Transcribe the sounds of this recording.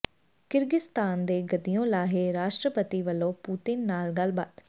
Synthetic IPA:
kɪɾɡɪst̪aːnd̪eːɡəd̪ijõːlaːɦeːɾaːʃʈɾəpət̪iːʋəlːõːpuːt̪ɪnːaːlɡəlbaːt̪

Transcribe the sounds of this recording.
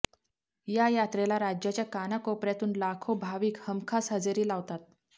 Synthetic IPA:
jajat̪ɾelaɾad͡ʑjat͡ɕjakanakopɾjat̪uːnlakʰobʱaʋiːkhəmkʰasɦəd͡zeɾiːlaʋt̪at̪̚

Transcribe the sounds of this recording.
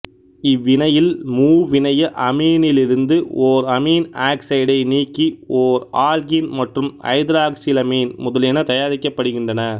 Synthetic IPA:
ɪʋːɪnɐjɪlmuːʋɪnɐjɐʔɐmiːnɪlɪɾɯnd̪ɯoːɾɐmiːnaːksɐɪɽɐɪniːkːioːɾaːlɣinmɐʈrɯmɐ̰ɪðɾaːksɪlɐmiːnmʊðɐlɛnɐt̪ɐjaːɾɪkːɐpːɐɽɯɣɪndrɐnɐ

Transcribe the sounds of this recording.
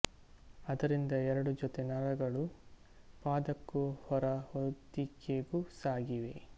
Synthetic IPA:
ɐd̪ɐɾind̪ɐɛɾɐɽud͡ʒɔt̪enɐɾɐɡɐɭu | paːd̪ɐkːuhɔɾɐhod̪ikeɡusaːɡiʋe̞

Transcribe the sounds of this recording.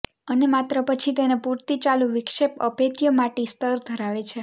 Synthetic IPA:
ənemat̪ɾəpət͡ʃʰit̪enepuɾt̪it͡ʃalũʋɪkʃepə̰bʱet̪jəmaʈist̪əɾd̪ʱəɾaʋet͡ʃʰe

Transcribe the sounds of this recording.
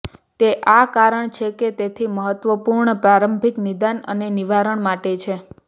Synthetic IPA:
t̪eʔakaɾəɳt͡ʃʰeket̪et̪ʰiməɦət̪ʋəpuɾɳəpɾaɾəmbʱiknid̪anə̰neniʋaɾəɳmaʈet͡ʃʰe

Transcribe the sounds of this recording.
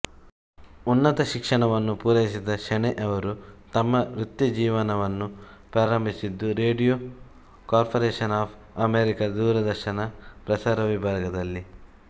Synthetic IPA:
unːɐt̪ɐʃikʂɐɳɐʋɐnːupuːɾɐjisid̪ɐʃɐɳɛʔɐʋɐɾut̪ɐmːɐɾut̪jid͡ʒiːʋɐnɐʋɐnːu | pɾaːɾɐmbʱisid̪ːuɾeːɖijo | kaːɾpʰɐɾeːʃɐnaːpʰ | ɐmeːɾikɐd̪uːɾɐd̪ɐɾʃɐnɐpɾɐsaːɾɐʋibʱaːɡɐd̪ɐlːi

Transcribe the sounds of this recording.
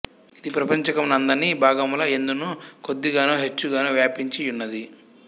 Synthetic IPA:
id̪ipɾɐpɐɲt͡ʃɐkɐmnɐnd̪ɐnːibʱaːɡɐmulɐend̪unuːko̞d̪ːiɡaːnoːɦet͡ʃːuɡaːnoːʋjaːpiɲt͡ʃijunːɐd̪i

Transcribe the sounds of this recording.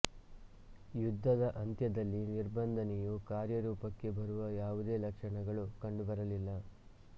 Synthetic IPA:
jud̪ʱːɐd̪ɐʔɐnt̪jɐd̪ɐlːiniɾbɐnd̪ʱɐnejukaːɾjɐɾuːpɐkːe̞bɐɾuʋɐjaːʋud̪eːlɐkʂɐɳɐɡɐɭukɐɳɖubɐɾɐlilːɐ

